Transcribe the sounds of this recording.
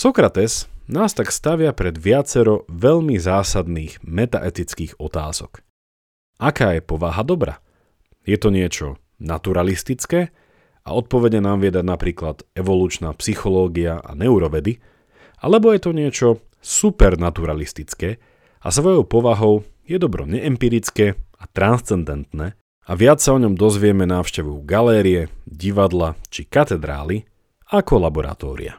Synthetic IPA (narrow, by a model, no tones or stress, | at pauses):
sɔkɾat̪ɛsnaːst̪akst̪aʋɪapɾɛd̪ʋɪat͡sɛɾɔʋɛʎmizaːsad̪niːɣmɛt̪a̰ʔɛt̪it͡skiːɣɔt̪aːzɔk | ʔakaːjɛpɔʋaɦad̪ɔbɾa̰ː | jɛt̪ɔɲɪɛt͡ʃɔ̰ | nat̪uɾalist̪it͡skɛː | ʔa̰ɔt̪̚pɔʋɛɟɲɛnaːmʋɪɛd̪aɟnapɾiːklat̪ɛʋɔluːt͡ʃnaːpsixɔlɔːɡiaʔa̰nɛuɾɔʋɛd̪i | a̰lɛbɔjɛt̪ɔɲɪɛt͡ʃɔ | supɛɾnat̪uɾalist̪it͡skɛː | a̰sʋɔjɔʊpɔʋaɦɔʊjɛd̪ɔbɾɔ̰ɲɛʔɛmpiːɾit͡skɛːat̪ɾanst͡sɛnd̪ɛnt̪nɛː | aʋɪat͡ssaɔɲɔmd̪ɔzʋɪɛmɛnaːʊʃcɛʋuɡalɛːɾiɛɟiʋad̪lat͡ʃikat̪ɛd̪ɾa̰ːli | akɔlabɔɾa̰t̪ɔːɾḭa̰